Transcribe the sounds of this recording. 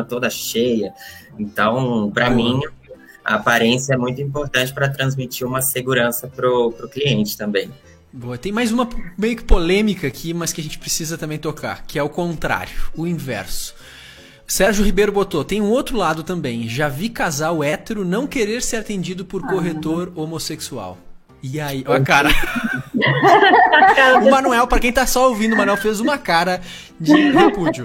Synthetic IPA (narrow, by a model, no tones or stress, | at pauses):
ɐt̪od̪ɐʃejɐ | ẽnt̪ɐ̃w̃pɾɐmĩ | ɐ̰apaɾẽsjɐɛmũj̃t̪ʊĩmpoɾt̪ɐ̃nt͡ʃɪpɾɐt̪ɾɐ̃zmit͡ʃiɾũmɐseɡuɾɐ̃sɐpɾʊpɾʊkliẽnt͡ʃɪ̥t̪ɐ̃mbẽj̃ | boɐt̪ẽj̃majzũmɐmejʊkɪ̥polẽmikɐːkʰimɐskɪɐʒẽnt͡ʃɪ̥pɾesizɐt̪ɐ̃mbẽj̃t̪oka̰ɾkɪɛʊkõnt̪ɾa̰ɾjʊʊĩvɛ̰ɾsʊ̥ | sɛɾʒʊhibejɾʊbot̪ot̪ẽj̃ũowt̪ɾʊlad̪ʊt̪ɐ̃mbẽj̃ʒavikazawʊɛt̪eɾʊnɐ̃w̃keɾeɾseɾat̪ẽnd͡ʒid̪ʊpʊɾkoɦet̪oɾomoseksua̰w | ɪaiʔɔkaɾɐ | ʊmãnuɛwpɾɐkẽj̃t̪asɔowvĩnd̪ʊmɐnwɛwfezũmɐkaɾɐ | d͡ʒɪhepud͡ʒʊ